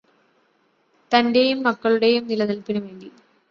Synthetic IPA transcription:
t̪ɐnde̞jumːɐkːɐɭuɽe̞jumnilɐnilpinuʋeːɳdi

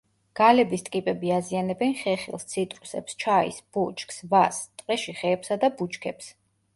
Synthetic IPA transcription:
ɡ̥alɛbist̪ʼkʼipʼɛbiazianɛbɛnχɛχḭlˠst̪sʰit̪ʼɾusɛ̰pst͡ʃʰaḭsb̥ut͡ʃʰʼksvast̪ʼqʼɛʃiχɛːpsad̪abut͡ʃʰkʰɛps

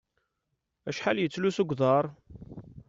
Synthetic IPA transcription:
æʃħaljət͡sːlusuɡʷðˤɑɾˤ

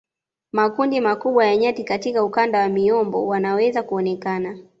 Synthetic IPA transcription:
makundimakuɓwajaɲatikatikaukandawamiɔmbɔ̰wanawɛzakuɔnɛkana

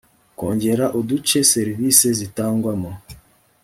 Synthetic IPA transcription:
koːɲɟe̞ɾaʔodut͡ʃeseɾivisezitaːŋɡwamo

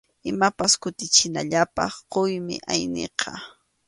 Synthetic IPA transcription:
ɪmapaskʊt̪ɪt͡ʃɪna̰ʎapɑ̰χqojmɪ̰ʔajnḛqʰɑ

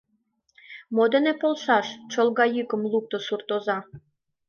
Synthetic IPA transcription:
mod̪enepolˠʃɑʃt͡ɕolɣɑjɯkə̆mluk̚t̪osurt̪ozɑ

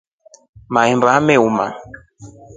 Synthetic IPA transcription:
maɛmbamɛuma̰

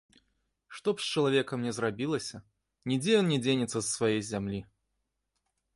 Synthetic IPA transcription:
ʂt̪ɔpsʲt͡ʃɐlˠavʲekɐmnʲɛzrabʲilˠɐsʲɐ | nʲid͡zʲɛjɔnnʲɛd͡zʲenʲɪt̪sːɐssvajejzʲamlʲi

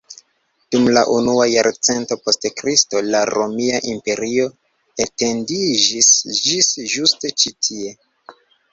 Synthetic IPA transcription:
d̥umlaʔunuajaɾt͡se̞nto̞po̞stkɾisto̞laɾomiaʔimpe̞ɾio̞ | ete̞ndid͡ʒisd͡ʒisʒuste̞t͡ʃitʰie̞

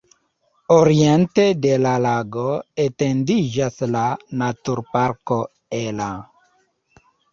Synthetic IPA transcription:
oɾiente̞de̞lalaɡoete̞ndid͡ʒaslanatuɾpaɾko̞ | ela

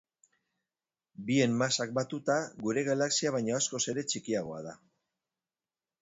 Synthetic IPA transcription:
bie̞mmasak̚bat̪ut̪aɣuɾe̞ɣalaksiaβ̞ajɲoasko̞se̞ɾe̞t͡ʃikiaɣ̞o̞a̰ð̞a

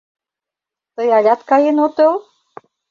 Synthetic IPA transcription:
t̪əjɑlʲɑt̪kɑjenot̪el

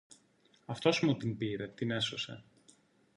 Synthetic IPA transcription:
ɐft̪o̞smut̪inbiɾe̞t̪ine̞so̞se̞̰

